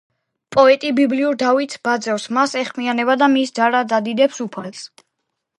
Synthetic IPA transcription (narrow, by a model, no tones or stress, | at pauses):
pʼɔɛt̪ʼibibliuɾd̪avit̪sbad̪zɛvsmasɛχmianɛbad̪amisd̪zaɾad̪zad̪id̪ɛpsupʰals